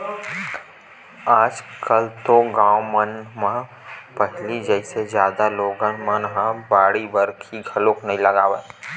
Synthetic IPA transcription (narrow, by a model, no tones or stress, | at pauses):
aːd͡ʒkəlt̪oɡãːwmɐnmã | pɐɦlid͡ʒəɪsezjaːd̪aloːɡãmãnɦãbaːɽibəɾkʰiɡʱɐloːknɐɦĩlɐɡaːʋət̪